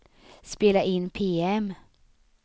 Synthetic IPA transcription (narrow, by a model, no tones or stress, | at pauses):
speːlaʔɪnːpʰeːɛm